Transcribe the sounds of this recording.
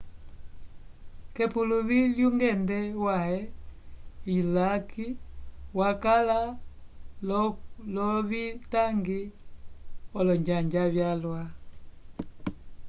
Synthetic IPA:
kɛpuluβiljuŋɡɛndɛwahɛ | ilakiwakala | lɔβitaŋɡi | ɔlɔɲd͡ʒaɲd͡ʒaβjalwa

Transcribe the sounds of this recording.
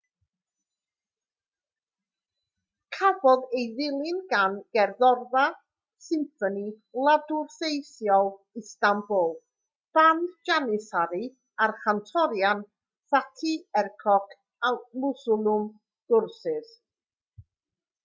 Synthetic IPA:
kʰabɔðejðɪlˠɪnɡanɡ̥ɛrðɔrða | sɪmfɔni | lˠadʊrsejθjɔlˠ | ɪstambʊlˠ | b̥andd͡ʒanɪsaɾi | arχantʰɔɾjan | fatʰiɛrkʰɔkʰ | amʊsʊlˠʊm | d̥ʊrsɪð

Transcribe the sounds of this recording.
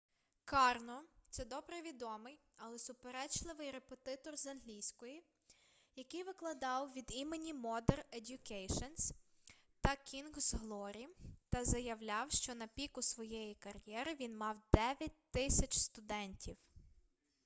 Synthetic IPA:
kɑrnɔt̪sɛd̪ɔbɾɛʋʲid̪ɔmɪj | ɐlˠɛsʊpeɾɛt͡ʃlˠɪʋɪjɾepet̪ɪt̪ɔrzɐnɦlʲijsʲkɔji | jɐkɪjʋɪklˠɐd̪ɑwʋʲid̪imenʲimɔd̪eredʲjʊkɛjʃɔns | t̪ɐkʲinɡzɦlˠɔɾʲit̪ɐzɐjɐwlʲɑwʃt͡ʃɔnɐpʲikʊsʋɔjɛjikɐrjɛɾɪʋʲinmɑwd̪ɛʋʲjɐt̚ʲt̪ɪsʲɐt͡ʃst̪ʊd̪ɛnʲtʲiw

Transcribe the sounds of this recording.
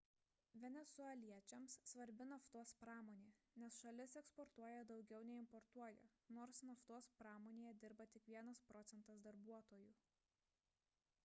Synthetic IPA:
ʋʲɛnʲɛsʊɛlʲiɛt͡ʃʲɛmssʋɐɾʲbʲɪnɐft̪uɔspɾɑːmoːnʲeː | nʲɛsʃɐlʲɪsɛkspɔɾt̪uɔjɛd̪ɒʊɡʲɛʊnʲɛɪmpɔɾt̪uɔjɛ̰noːɾsnɐft̪uɔspɾɑːmoːnʲeːjɛd̪ʲɪɾbɐt̪ʲɪkʋʲiɛnɐspɾɔt̪sʲɛnt̪ɐsd̪ɐɾbuɔt̪oːju

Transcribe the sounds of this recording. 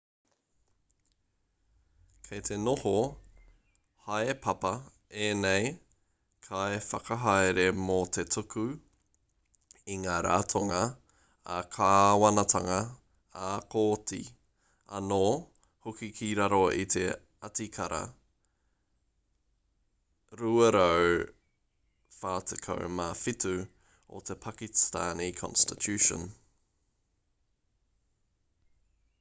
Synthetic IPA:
kʰejt̪ʰe̞noho | haepʰɐpɐ | enej | kʰaefɐkɐɦaeɾe̞mot̪ʰetʰuku | iŋaːɾa̰ːtʰoŋɐː | kʰaːwɐnɐtʰɐŋɐ | akoːtḭ | ɐnoː | hokikʰiɾaɾoit̪ʰe | ɐt̪ikʰɐɾɐ̰ | ɾuɐɾow | faːt̪ʰekʰo̰wmaːfitu | o̰t̪ʰepʰɐkistaːnikʰɔ̰̃nstitʰʉːʃə̰n

